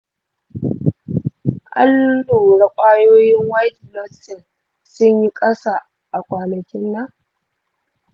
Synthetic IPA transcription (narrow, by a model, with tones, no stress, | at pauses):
ʔa̰˦ldoː˨ɽa˦kʷʼaː˦joː˦jɪ˦ŋwaː˦kʲi˨lɔ˦sɪ˨n | sʊ˦ɲji˦kʼɐ˦sa˨ | ʔa˨kʷaː˨nɐ˨kʲɪ˦nːa˦